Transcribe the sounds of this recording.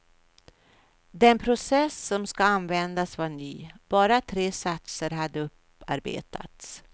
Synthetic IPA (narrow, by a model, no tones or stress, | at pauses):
d̪ɛnpʰɾʊsɛsːɔmskaanvɛnd̪asvaɳyːb̥ɑːɾat̪ʰɾeːsat̪səɾɦad̪ːəɵp | a̰ɾbḛːt̪ʰa̰t̪s